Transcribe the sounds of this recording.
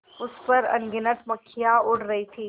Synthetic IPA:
ʊspɐɾɐ̰nɡɪnəʈmɐkʰɪjaʊɽɾɐɦit̪ʰiː

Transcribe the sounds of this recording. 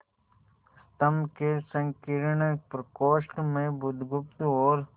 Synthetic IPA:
st̪əmkesə̃ŋkiɾɳəpɾəkoːʃɳmẽbʊd̪ʱɡʊpt̪ɔːɾ

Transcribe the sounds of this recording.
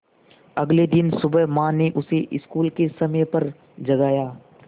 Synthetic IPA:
ɐɡled̪ɪnsʊbəɦmãːneʔʊseʔɪskuːlkesɐmepɐɾ | d͡ʒɐɡaːjaː

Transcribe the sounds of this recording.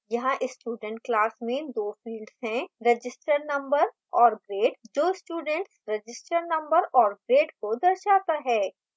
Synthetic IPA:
jɐɦãʔɪsːʈuːɖə̃ɳʈklaːsmẽd̪oːfiːlɖz̥ɦɛ̃ɾɐd͡ʒɪsʈəɾnɐ̃mbəɾ | ɔːɾɡɾeːɖd͡ʒoːsʈuːɖə̃ɳʈsɾɐd͡ʒɪsʈəɾnɐ̃mbəɾɔːɾɡɾeːɖkod̪ɐɾʃaːt̪aɦɛː

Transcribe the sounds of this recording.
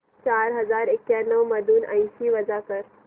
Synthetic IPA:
t͡ʃaːɾɦɐzaːɾekːjanəʋmɐd̪uːnã̰j̃siʋɐd͡ʒakəɾ

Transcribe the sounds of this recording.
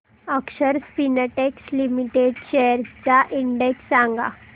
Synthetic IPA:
əkɕəɾspinəʈekslimiʈeɖɕejəɾt͡saʔiɳɖeksːãŋɡa̰

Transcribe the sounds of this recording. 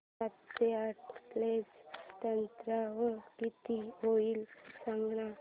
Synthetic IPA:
at̪seaʈplest̪ənt̪ɾaʋəkit̪iɦoiːlsaŋɡna

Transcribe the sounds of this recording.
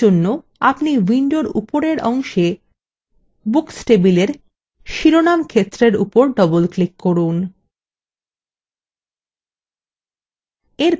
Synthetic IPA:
onːo | apniwiɳɖoɾṵpoɾeɾʔɔŋʃe | buksʈebileɾ | ʃiɾonamkʰet̪ːɾeɾṵpoɾɖɔbolklikkːɔɾun | eɾ

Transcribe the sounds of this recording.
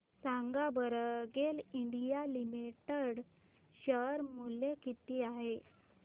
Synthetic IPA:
saŋɡabəɾɡeliɳɖijalimiʈəɽ | ɕəɾmuljekit̪iːaɦe

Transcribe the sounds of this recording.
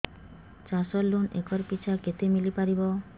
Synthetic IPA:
t͡ʃasɔlːonḛkɔɾpit͡ʃʰaket̪emilipaɾibɔ

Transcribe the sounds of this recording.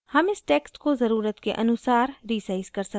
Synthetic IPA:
hɐmɪsʈɛːksʈkozɐɾuːɾət̪keʔɐnʊsaːɾɾiːsaːizkɐɾsə

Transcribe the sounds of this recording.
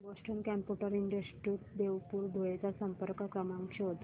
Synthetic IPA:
bɔsʈəmkɛmpjuʈəɾiɳɖəsʈɾikd̪eʋpuːɾd̪ʱojet͡sasəmpəɾkəkɾəmãŋkɕeɦot̪

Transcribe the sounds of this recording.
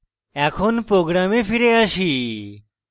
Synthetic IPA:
ɛkʰonpɾoɡɾamefiɾeaʃi

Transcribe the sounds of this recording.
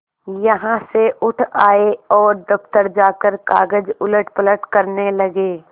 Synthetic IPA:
jɐɦãseʔʊʈʰaːeɔːɾd̪ɐpt̪əɾd͡ʒaːkəɾkaːɡəd͡ʒʊləʈ̚pələʈkɐɾnelɐɡeː

